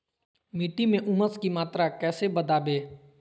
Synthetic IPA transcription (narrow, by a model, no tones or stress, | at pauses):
miːʈimẽʔʊməskimaːt̪ɾakɛːsebəd̪aːbeː